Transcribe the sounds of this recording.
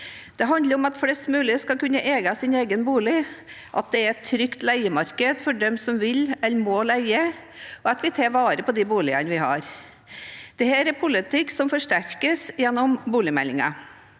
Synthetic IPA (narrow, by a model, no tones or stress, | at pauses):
d̪̥ɛɦɑnd̪ləɾɔmɑt̪flɛst̪mʉːlɪskɑlkʉnːəʔeːɡɑsɪneːɡənbuːlɪ | ʔɑ̰t̪̚d̪ɛæɾɛt̪ʰːɾʏkt̪læɪəmɑɾkəd̪fɔɖɛmsɔmʋɪlɛlːmoːlæɪə | ɔɑt̪ʋɪt̪ʰɑːʋɑːɾəpɔd̪ɪbuːlɪɑ̰nəʋɪhɑ̰ːɾ | d̪̥ɛhæːɾɛpʰʊlɪt̪ɪkːsɔmfɔʂʈæɾkəsjɛnːɔmbuːlɪmɛ̰lːɪŋɑ̰